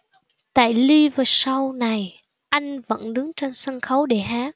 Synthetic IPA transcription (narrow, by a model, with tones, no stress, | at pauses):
t̪a̰ː˧˨jli˧vaː˨˩sa˧wna˨˩j | ʔa˧jŋ̟və̰˧˥nɗɨ˨˦ŋt͡ɕɔ˧nsa˧nxə˨˦wɗe˧˩ɦaː˨˦k̚